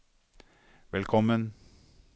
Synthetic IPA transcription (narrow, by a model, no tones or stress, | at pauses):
ʋɛlkʰɔmən